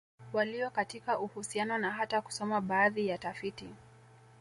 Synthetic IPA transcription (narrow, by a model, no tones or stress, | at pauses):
waliɔkatikaʔuhusianɔnaɦataku̥sɔmaɓaːðijatafiti